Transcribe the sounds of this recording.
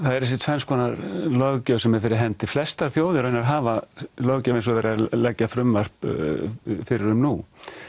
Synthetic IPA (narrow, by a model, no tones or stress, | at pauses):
θaðɛɾɛs̬ɪt̪ʰfɛnskʰvɔːnaɾlœɣcœsɛmːɛðfɪɾɪɾɦɛnt̪ɪflɛst̪aɾ̥θjowðɪɾœɥjnaɾɦaːvalœɣcœvɪnsɔðɛɾalɛcːafɾʏmvar̥p | fɪɾɪɾʏmnu